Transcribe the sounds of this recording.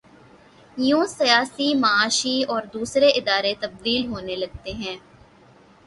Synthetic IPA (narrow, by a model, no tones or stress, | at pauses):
jõːsɪjaːsiːməaːʃiːɔːɾd̪uːsɾeːʔɪd̪aːɾeːt̪əb̚d̪iːlɦoːneːləɡ̚t̪eːɦɛ̃ː